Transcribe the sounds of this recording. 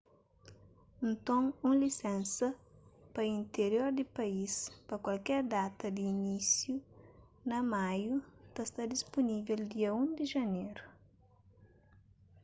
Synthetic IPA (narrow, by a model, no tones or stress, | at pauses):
nt̪õŋũlisɛ̃nsɐpɐĩnt̪eɾjoɾd̪ipɐispɐkwɐlkɛɾd̪at̪ɐd̪iːnisju | nɐmajut̪ɐst̪ad̪ispunivɛld̪iɐũnd̪iʒɐneɾu